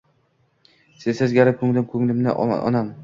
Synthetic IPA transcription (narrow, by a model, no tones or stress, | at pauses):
sesɪzɡʲaɾɪp̚kʰɵŋlɪmkʰɵŋlɪmnɪ̰ʔɒ̰nam